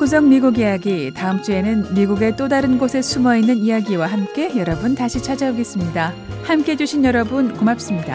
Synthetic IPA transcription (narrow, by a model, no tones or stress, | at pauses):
kus̬ʰʌŋmiɡuɡijaɡitaɯmt͡ɕ͈ue̞nɯnmiɡuɡe̞t͈odaɾɯnɡosʰe̞sʰumʌinːɯnijaɡiwaɦamk͈e̞jʌɾʌbuntaɕʰit͡ɕʰad͡ʑaoɡe̞s͈ɯmɲidahamk͈e̞d͡ʑuɕʰinjʌɾʌbunkomap̚s͈ɯmɲida̰